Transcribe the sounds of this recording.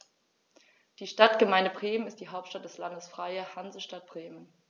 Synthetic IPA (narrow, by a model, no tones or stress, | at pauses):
d̥iːʃtatɡ̥əmaɪndəbʁeːmənɪst̚d̥iːɦaʊp̚tʃtat̚d̥ɛslandəsfʁ̥aɪəhanzəʃtat̚b̥ʁeːmən